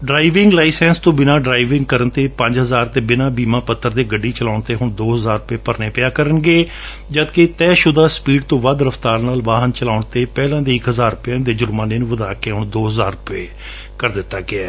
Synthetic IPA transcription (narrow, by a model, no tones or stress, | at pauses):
ɖɾaːiʋɪ̃ŋɡlaːɪsɛ̃ːnst̪õːbɪnãːɖɾaːiʋɪ̃ŋɡ̚kəɾənt̪eːpəɲd͡ʒɦəzaːɾt̪eːbɪnãːbiːmãːpət̪ːəɾd̪eːɡəɖːiːt͡ʃəlaːʊɳt̪eːɦʊɳd̪oːɦəzaːɾʊpeːpəɾneːpɪjaːkəɾənɡeː | d͡ʒəd̪ket̪ɛːʃʊd̪aːspiːɖt̪õːʋəd̪ɾəft̪aːɾnaːlʋaːɦənt͡ʃəlaːʊɳt̪eːpɛːlãːd̪eːɪkɦəzaːɾʊpɪjãːd̪eːd͡ʒʊɾmãːneːnũːʋəd̪aːkeːɦʊɳd̪oːɦəzaːɾʊpeː | kəɾd̪ɪt̪ːaːɡɪɛː